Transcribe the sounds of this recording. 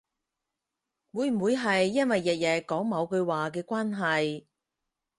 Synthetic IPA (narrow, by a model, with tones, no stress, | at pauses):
wuː˨˧jm̩˨˩wu˨˧jɦɐ˨jːɐ˥nwɐ˨jːɛ˨t̚jɛː˨˩kːɔː˨˥ŋmɐ˨˧wkɵ˧ɥwaː˨k̬ɛː˧kʷwaː˥nɦɐ˨j